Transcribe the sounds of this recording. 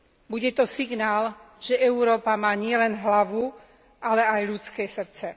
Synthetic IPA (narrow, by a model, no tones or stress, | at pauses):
buɟɛt̪ɔsiɡnaːl | ʒ̥ɛʔɛuɾɔːpamaːɲɪɛlɛnɦlaʋu | alɛajʎut͡skɛːsr̩t͡sɛ